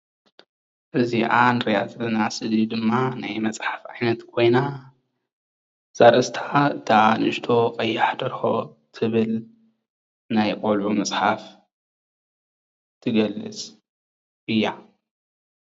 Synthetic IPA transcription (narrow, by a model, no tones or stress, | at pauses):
ʔɨziʔanɨɾjat̪ʰlɨnasɨd̪id̪ɨmːanajmɐt͡sʼħḁfʕajnɐt̪kʰo̞jna | z̥aɾʔɨst̪ʰaɨt̪ʰanʃt̪ʰo̞qʼɐjːaħd̪ɐɾxo̞ | t̪ʰɨβɨl | najkʼolʕumɐt͡sʼħaf | t̪ʰɨɡɐlːɨ̰t͡sʼ | ʔɨjːa